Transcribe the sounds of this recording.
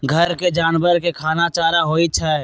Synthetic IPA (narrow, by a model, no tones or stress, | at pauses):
ɡʱəɾked͡ʒaːnbəɾkekʰaːnat͡ʃaːɾaɦoːit͡ʃʰa